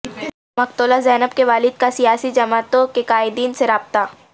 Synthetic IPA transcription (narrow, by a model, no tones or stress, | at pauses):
mɐkt̪oːlazɛːnəb̚keʋaːlɪd̪̚kasijaːsid͡ʒɐmaːt̪õkekaːɪd̪iːnseɾaːb̚t̪a